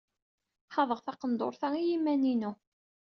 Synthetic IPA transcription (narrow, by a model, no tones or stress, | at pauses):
ħɑðˤəʁθɑqənd̪ˤo̰ɾθæijimːæninu